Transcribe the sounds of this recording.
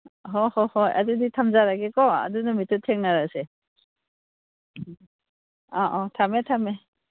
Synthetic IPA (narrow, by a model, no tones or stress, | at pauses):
ɦɔhɔhɔjʔa̰duditʰamzaɾaɡɛkɔa̰dunɔmitɔtʰɛŋnaɹasɛ | ɔʔɔ̃tʰamɛtʰamɛ